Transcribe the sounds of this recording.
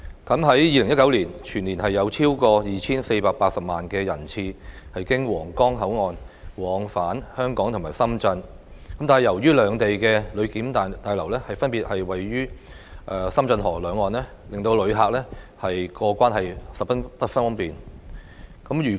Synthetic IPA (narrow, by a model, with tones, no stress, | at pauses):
kɐ˨˥mɦɐ˨˥jjiː˨˧lɪ˨˩ŋjɐ˥tkɐ˨˥wliː˨˩nt͡ʃʰyː˨˩nliː˨˩nɦɐ˨jːɐ˨˧wt͡sʰiː˥wkɔː˧jiː˨t͡sʰiː˥nse˧jpaː˧k̚paː˧t̚sɐ˨p̚maː˨˩nkɛː˧jɐ˨˩nt͡sʰiː˧hɐ˨jkɪ˥ŋwɔː˨˩ŋkɔː˥ŋɦɐ˨˥wŋɔː˨n | wɔː˨˧ŋfaː˨˥nhœː˥ŋkɔː˨˥ŋt̪ʰʊ˨˩maː˨˩jsɐ˥mt͡sɐ˧n | kɐ˨˦mt̪aː˨˩hɐ˨jɐ˨˩wjyː˥lœː˨˧ŋt̪e˨jkɛː˧lɵ˨˧ɥkiː˨˥mt̪ːt̪aː˨˧jlɐ˨˩wlɛː˥hɐ˨jfɐ˥npi˨t̚hɐ˨jwɐ˨jɥyː˥ | ʔɛː˨˩sɐ˥mt͡sɐ˧nɦɔː˨˩lœː˨˧ŋːɔː˨˧nlɛː˥ | lɪ˨ŋt̪o˧wlɵ˨˧ɥɦaː˨˧k̚lɛ˥hɐ˨jkɔː˧kʷaː˥nhɐ˨jsɐ˨pɐ˥pɐ˥t̚fɐ˥nɔ˥npiː˨n | kɐ˨˥mjyː˨˩